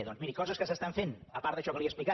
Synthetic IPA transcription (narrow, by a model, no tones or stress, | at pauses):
ðɔnzmiɾikɔzəskəsəst̪aɱfenəpaɾt̪ðəʃɔkəliəsplika